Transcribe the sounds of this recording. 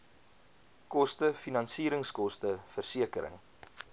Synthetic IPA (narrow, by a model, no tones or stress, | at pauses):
kɔstəfinɐnsiːɾəŋskɔstəfərsiəkəɾə̰ŋ